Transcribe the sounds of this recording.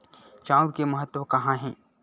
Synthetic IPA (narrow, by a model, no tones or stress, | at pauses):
t͡ʃãːʊɾkemɐɦət̪ːwəkɐɦãɦɛ̃ː